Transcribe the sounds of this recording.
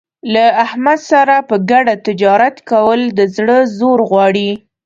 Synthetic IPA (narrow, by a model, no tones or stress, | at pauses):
laahmad̪saɾapəɡaɖat̪ɪd͡ʒɑɾat̪kawəld̪əzɽəzoɾɣwɑɽi